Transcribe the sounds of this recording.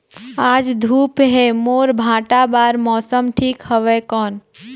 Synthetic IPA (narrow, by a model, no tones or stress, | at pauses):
aːd͡ʒd̪ʱuːpɦemoːɾbʱãːʈabaːɾmɔsəmʈʰikhəʋɛkɔːn